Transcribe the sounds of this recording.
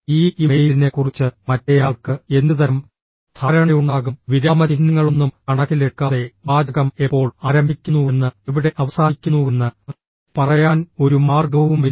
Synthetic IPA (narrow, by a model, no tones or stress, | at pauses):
iːimejiline̞kːurit͡ɕːɨmɐtːejaːɭkɨe̞nd̪ɨt̪ɐɾɐm | t̪ʰaːɾɐɳɐjuɳɖaːɣumʋiɾaːmɐt͡ɕinːɐŋːɐɭonːumkɐɳɐɣileʈkːaːðe̞baːd̪ʱɐɣɐmepːo̞ːɭaːɾɐmbʱikʲːunːue̞nːɨeʋiɽe̞ʔɐʋɐsaːikʲːunːue̞nːɨ | pɐrɐjaːno̞ɾumaːrɡɐʋumʋi